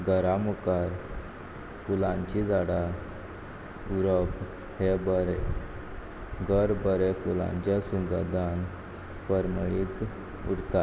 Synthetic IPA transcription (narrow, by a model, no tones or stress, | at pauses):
ɡəɾamukaɾ | fulãɲt͡ɕid͡zaɽa | juɾəp | hebəɾe | ɡʱəɾbəɾefulã̰ɲt͡ɕasuɡəd̪an | pəɾməɭit̪ | ṵɽt̪a